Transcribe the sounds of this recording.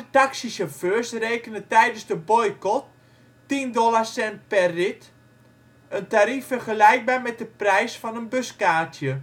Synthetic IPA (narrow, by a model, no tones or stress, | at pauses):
taksisoføːsrejkənətɛjdənsdəbɔjkɔt̚ː | indɔlarsɛnt̚pɛrːɪt | əntaɾifərχəlɛjk̚baːɹmɛt̚dəprɛjsfɔnənbøskaːtʰjə